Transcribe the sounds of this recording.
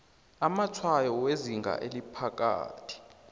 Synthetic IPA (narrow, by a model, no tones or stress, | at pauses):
amat͡sʰwajɔweziŋɡʱa̰ʔelipʰak̬ʼa̰ːtʰi̥